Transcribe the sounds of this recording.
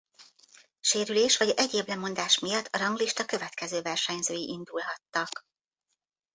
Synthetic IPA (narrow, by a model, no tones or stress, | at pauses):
ʃeːɾyleːʃʋɒɟɛɟeːblɛmo̞nd̪aːʃmijɒt̪ʰːɒɾɒŋɡliʃt̪ɒkø̞vɛt̪kɛzøːvɛrʃɛɲzøːjiʔind̪ulɦɒt̪ːɒk